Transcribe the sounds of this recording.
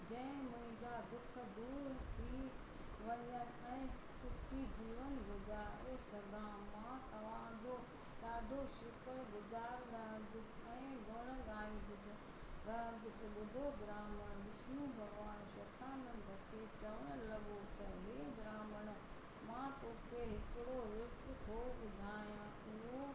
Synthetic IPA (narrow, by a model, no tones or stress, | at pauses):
d͡ʑɐ̃ɪ̃mʊ̃ɦɪ̃ɲd͡ʑaːd̪ʊk̆ʰd̪uːɾt̪ʰiː | ʋɐɲən | ɛ̃ː | sʊkʰid͡ʑiːʋənɡʊzaːɾeːsɐd̪aːmãːt̪ɐʋ̤ãːd͡ʑo | saːd̪ʱoʃʊkɾɡʊd͡ʒaːɾnaɦə̃nd̪ʊsɪɛ̃ːɡʱoɽ̃əɡaːĩd̪ɪsɪ | ɾɐ̃d̪ɪsɓʊd̪ʱoɡɾaːməɽ̃ɗɪsijũbʱɐɡʋaːnʃɐːt̪aːnənt̪ɐkʰet͡ɕɐʋəɽ̃ʊlɐɠot̪ɐɦeːɡɾaːməɽ̃̆ | mãːt̪oːkeɦɪkɪɽoɦʊkt̪ʰoːɓʊd̪ʱaːjã | ʊɦo